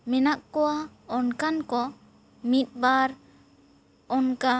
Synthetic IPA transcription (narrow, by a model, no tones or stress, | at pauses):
mɛnaʔkɔwa | ɔnkankɔ | mit̪̚ˀbaɾ | ɔnka